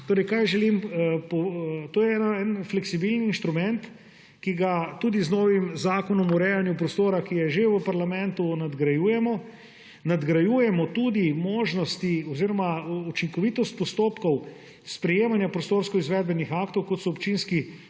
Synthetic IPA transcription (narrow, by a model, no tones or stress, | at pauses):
t̪oːɾɛjkajʒɛlimpɔt̪oːjɛɛnaɛnflɛksibilniiːnʃt̪ɾumɛnt̪ | kiɡat̪uːd̪iznɔːʋimzaːkɔnɔmuɾɛːjanjupɾɔst̪oːɾakijɛʒeʋəpaɾlamɛ̃nt̪unad̪ɡɾajujɛmɔ | nad̪ɡɾajuːjɛmɔt̪ud̪imoːʒnɔst̪iɔziɾɔmaut͡ʃiŋkɔʋit̪ɔst̪̚pɔst̪oːpkɔw | spɾɛjeːmanjapɾɔst̪oɾskɔizʋɛːd̪̚bɛnixaːkt̪ɔwkɔt̪sɔɔpt͡ʃinski